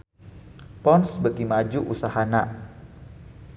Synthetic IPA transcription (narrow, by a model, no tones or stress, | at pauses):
pɔnsbəɡimad͡ʒuʔusahana